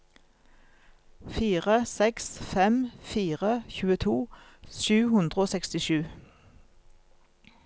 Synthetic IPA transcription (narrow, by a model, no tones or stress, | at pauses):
fiːʁəsɛksfɛmfiːʁəçʉːət̪ʰuːʃʉːhʉnd̪ʁəoːsɛkst̪ɪʃʉː